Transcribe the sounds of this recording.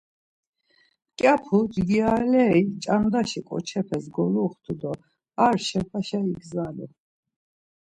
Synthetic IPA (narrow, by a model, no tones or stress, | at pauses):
kʼjapʰud͡ʒɡialɛit͡ʃʼand̪aʃikʼɔ̰t͡ʃʰɛpʰɛsɡɔɾuχt̪ʰud̪ɔ | aɾʃɛpʰaʃaiɡzalṵ